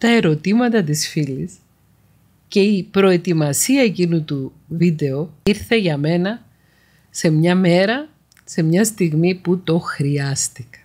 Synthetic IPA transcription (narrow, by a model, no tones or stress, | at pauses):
t̪ɐe̞ɾo̞t̪imɐt̪ɐt̪̬isfilis | ce̞ipɾo̞e̞t̪imɐsiɐecinut̪u | vid̪e̞o̞iɾθe̞ʝɐme̞nɐ | se̞mɲɐme̞ɾɐ | se̞mɲɐst̪iɣmiput̪o̞xɾiɐst̪ikɐ̥